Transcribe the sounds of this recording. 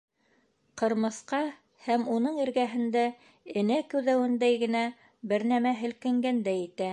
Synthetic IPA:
qɤ̆ɾmɤ̆sqɑ | hæmunɤɴɘ̆ɾɡæɦɘ̆nd̪æ | ɘ̆nækʉwðæwɘ̆nd̪æjɡɘ̆næ | bɘɾnæmæɦɘ̆lkɘ̆ŋɡænd̪æjɘ̆t̪æ

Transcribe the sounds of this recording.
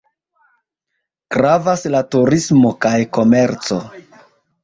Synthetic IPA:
kɾavaslatuɾismo̞kajko̞me̞ɾt͡so̞

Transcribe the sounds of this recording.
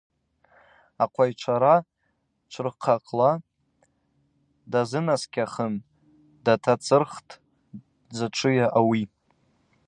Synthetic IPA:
aqʷʰajt͡ʃʷʰaɾa | t͡ʃʷʰɨrqʰaqʼla | dazɨnaskʲʰʼaχən | datʰat͡sʰʼɨrχtʰʼ | d͡zaʈ͡ʂʷʰɨjaʔawi

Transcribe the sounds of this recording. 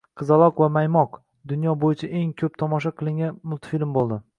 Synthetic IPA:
qʰɨzalˠɒqvamajmɒq | d̪ʊnjɒbojɪt͡ʃʰaʔe̞ŋkʲʰɵp̚t̪ʰɒmɒʃ̬aqʰɨlˠɪŋʲanmʊlˠt̪ʰfilmbolˠd̪ɪ

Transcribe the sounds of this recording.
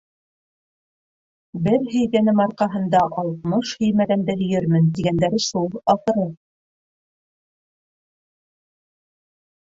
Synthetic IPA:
bɘɾɦɵ̆jɡænɘmɑɾqɑɦɤ̆n̪d̪ɑʔɑlˠt̪mɤʃhɵ̆jmæðænd̪ɘɦɵ̆jɘɾmɘnt̪iɡænd̪æɾɘʃulˠɑfɤ̆ɾɤ

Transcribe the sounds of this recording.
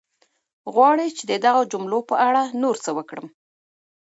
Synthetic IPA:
ɣwɑɽet͡ʃed̪əd̪aɣad͡ʒʊmlopəʔaɽanoɾt͡səwəkɽəm

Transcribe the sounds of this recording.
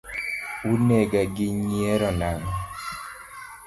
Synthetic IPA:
unɛɡaɡɪɲiɛɾɔnaŋɔ

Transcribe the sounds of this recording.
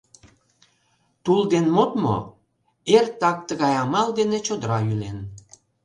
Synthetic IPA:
t̪uld̪enmot̪mo̰ | ert̪ɑk̚t̪əɣɑjɑmɑld̪enet͡ɕod̪əɾɑylen

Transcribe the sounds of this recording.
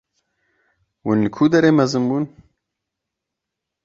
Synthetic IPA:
wʊnlɨkʰuːd̪ɛɾeːmɛzɨmbuːn

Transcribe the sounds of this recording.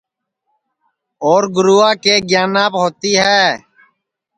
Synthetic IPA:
oːɾɡʊɾuːaːkeːɡjaːnaːpɦoːt̪iːɦɛː

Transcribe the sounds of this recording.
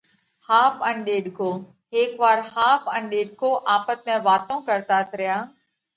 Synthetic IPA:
haːpə̃nɗeːɗkʰoː | ɦeːkʋaːɾhaːpə̃nɗeːɖkʰoːʔaːpət̪̚mẽːʋaːt̪õːkəɾt̪aːt̪ɾɪjaː

